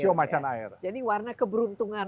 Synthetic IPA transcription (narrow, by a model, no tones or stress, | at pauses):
amat͡ʃanaɪ̰rd͡ʒadiwarnakəbəɾunt̪uŋan